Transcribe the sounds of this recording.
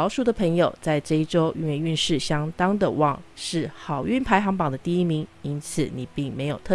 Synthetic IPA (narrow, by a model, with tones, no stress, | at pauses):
ʊʂu˥˩d̪ə˩pʰə˧˥ŋjo˨˩ʊt͡sa˥˧ɪʈ͡ʂɤ˥˧i˥ʈ͡ʂo˥ʊʔy̰˥˩nɥɛ˥˧ny˥˧nʂɻ̩˥˩ɕjɑ˥ŋt̪ɑ˥ŋd̪ə˨wɑ̰˨˩ŋʂɻ̩˥˩xɑ˨˩ʊy˥˩npʰa˧˥ɪxɑ˧˥ŋpɑ˨˩ŋd̪ə˦t̪i˥˩i˥mi˧˥ŋi˥nt͡s̩ʰ˨˩ni˨˩pi˥˩ŋme˧˥ɪjo˨˩ʊt̪ʰɤ˥˩